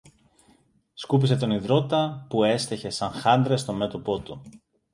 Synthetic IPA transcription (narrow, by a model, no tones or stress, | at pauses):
skup̬ise̞t̪o̞niðɾo̞t̪ɐpue̞st̪e̞çe̞sɐŋxɐnd̪ɾe̞st̪o̞me̞t̪opo̞t̪u